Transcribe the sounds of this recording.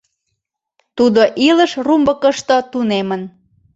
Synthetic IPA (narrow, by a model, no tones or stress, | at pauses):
t̪ud̪oʔiləʃrumbəkəʃt̪ot̪unemən